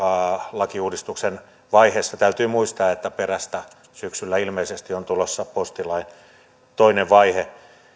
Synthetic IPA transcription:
ɑːlɑkiuːdist̪uksen | ʋɑiheːsːɑt̪æyt̪yːmuist̪ɑːet̪ːæperæst̪æ | syksylːæilmeisest̪iont̪ulosːɑpost̪ilɑin | t̪oineʋʋɑihe

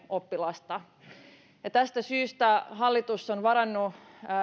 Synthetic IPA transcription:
opːilɑst̪ɑ | jɑt̪æst̪æsyːst̪æɦɑlːit̪usːonʋɑɾɑnːu

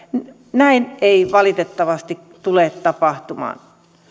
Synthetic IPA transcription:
n | næineiʋɑlit̪et̪ːɑʋɑst̪ik | t̪uleˑt̪t̪ɑpɑht̪umɑ̰ːn

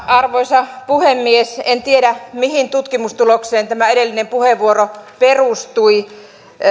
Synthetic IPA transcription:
ɑrʋoisɑpuhemːiesent̪ieɾæmihint̪ut̪kimust̪ulokseːnt̪æmæeɾelːinempuheʋʋuoroperust̪ui

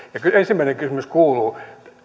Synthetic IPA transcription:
jɑkyensimːˑæineŋkysymyskuːluː

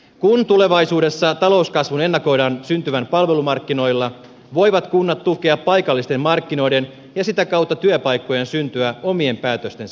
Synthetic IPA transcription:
kunt̪ule̞ʋɑjsuːde̞sːɑt̪ɑlo̞uskɑsʋune̞nːɑko̞jdɑːnsynt̪yʋænpɑlʋe̞lumɑrkːino̞jlːɑ | ʋo̞jʋɑt̪kunːɑt̪ːukeɑppɑjkɑlːist̪emmɑrkːino̞jde̞n | jɑsit̪ækɑwt̪ːɑt̪yøpɑjkːo̞jensynt̪yæo̞mie̞mpæːt̪øst̪e̞n

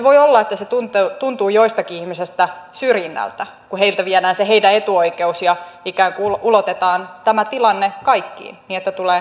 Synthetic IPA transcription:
ʋoiolːɑet̪ːæset̪unt̪eut̪unt̪uːjoist̪ɑkiihmisest̪æsyrjinːæ̰lt̪æ | kuheilt̪æʋiɛnæːnseɦeidæet̪uoikeusjɑikæːŋkuululot̪et̪ɑːnt̪æmæt̪ilɑnːekɑikːḭːnniːet̪ːæt̪uleː

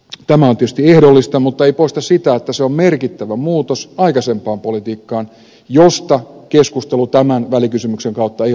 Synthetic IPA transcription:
t̪æmæont̪iøøst̪iehdolːist̪ɑmut̪ːɑeipoˑist̪ɑsit̪æet̪ːæseommerkit̪ːæʋæmuːt̪osɑikɑsempˑɑːmpolit̪iːkːɑːn | jost̪ɑkeskust̪elut̪æmænʋælikysymykseŋkɑut̪ːɑei

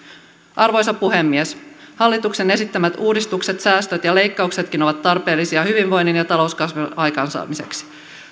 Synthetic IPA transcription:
ʔɑrʋo̞jsɑpuɦe̞mːieshɑlːit̪ukse̞ne̞sit̪ːæmæt̪uːdist̪ukset̪sæːst̪øt̪jɑle̞jkːɑukse̞t̪kino̞ʋɑt̪ːɑrpe̞ːlːisiɑhyʋiɱʋo̞jnːinjɑt̪ɑlo̞uskɑsʋiɑjkɑːnsɑ̰ːmise̞ksi̥

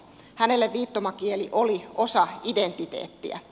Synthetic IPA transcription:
hænelːeʋʋiːt̪ːomɑkieliʔoliosɑident̪ːˑit̪ḛːt̪ːiæ̰

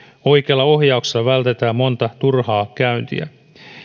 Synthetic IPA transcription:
o̞jkeɑlːɑo̞ɦjɑukse̥slːɑʋælt̪et̪æːmmo̞nt̪ɑt̪urhɑːkæynt̪ḭæ̰

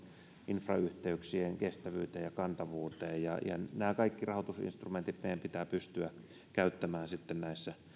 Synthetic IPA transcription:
ʔinfrɑ̰yht̪eyksieŋkest̪æʋyːt̪eːjɑkɑnt̪ɑʋuːt̪eːjjɑ̰jɑ̰næːkɑikːirɑhot̪usḭnst̪rument̪it̪meˑijæmpit̪æːpyst̪yæ | kæyt̪ːæmæːnsit̪ːennæisːæ

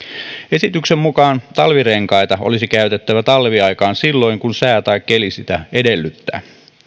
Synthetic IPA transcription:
e̞sit̪yksemmukɑːnt̪ɑlʋireŋkɑit̪ɑolisikæyt̪et̪ːæʋæt̪ɑlʋiɑikɑːnsilːo̞iŋkunsæːt̪ɑikːelisit̪æedelːyt̪ːæ̰ː

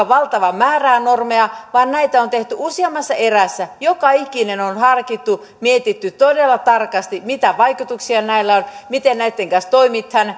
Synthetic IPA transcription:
ɑʋɑlt̪ɑʋɑmæːræːnormeɑʋɑːnnæit̪æont̪eht̪yʔusiɑmːɑsːɑeræsːæjokɑikinenonhɑrkit̪ːu | miet̪it̪ːyt̪odelːɑt̪ɑrkɑst̪imit̪æʋɑikut̪uksiɑnæilːæonmit̪ennæit̪ːeŋkɑnst̪oimit̪hɑn

